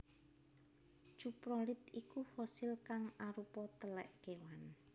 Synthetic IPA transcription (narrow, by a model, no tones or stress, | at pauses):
ʒ̥upɾɔlɪt̪ikufɔsɪlkaŋaɾupɔt̪əlɛ̰ʔkewan